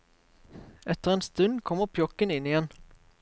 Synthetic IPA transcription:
ʔɛt̪ːəɾɛnst̪ʉnd̪kʰɔmːəɾpʰjɔkːənɪnːɪjɛn

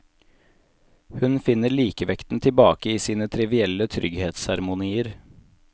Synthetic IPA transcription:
hʉnfɪnəɾɭiːkəʋɛkt̪n̩t̪ʰɪlbɑːkəiːsiːnət̪ʰɾɪʋɪɛlət̪ʰɾʏɡheːt̪shɑɾmʊniːəɾ

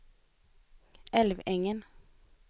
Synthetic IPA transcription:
ʔɛlʋɛŋən

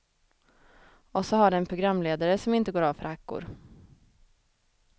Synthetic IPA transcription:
ɔsɔɦaɖɛɛnpʰɾʊɡɾamːleːd̪aɾəsɔmɪnt̪əɡoːɾaːvfœ̰ɾhakːʊ̰ɾ

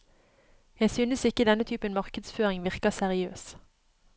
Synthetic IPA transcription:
jæɪsyːnəsɪkəd̪ɛnət̪ʰyːpənmɑʁkəd̪sføːʁɪŋʋɪʁkɑsæʁɪøːs

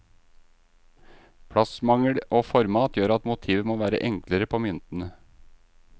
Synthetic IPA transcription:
pʰɽɑsmɑŋəɽoːfɔɾmɑːt̪jøːɾɑt̪mʊt̪ʰiːʋəmoːʋæːɾə̰ʔɛŋkləɾəpʰoːmʏnt̪n̩ə

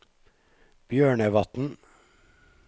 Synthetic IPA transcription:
b̥jøːɳəʋɑt̪n̩

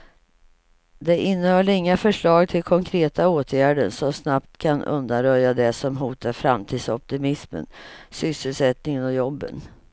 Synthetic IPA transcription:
d̪ɛʔɪnːəhœːɭəɪŋːafœʂɭɑːɡ̚t̪ʰɪlkʰɔŋkʰɾeːt̪aoːt̪ʰjæːɖəɳsɔmsnapt̪kʰanɵ̰nd̪anɾœjːad̪ɛsɔmɦuːt̪aɾfɾa̰mt̪ʰiːd̪sɔp̚t̪ɪmɪsmə̰nsʏsːəlsɛt̪nɪŋənɔjɔbːə̰n

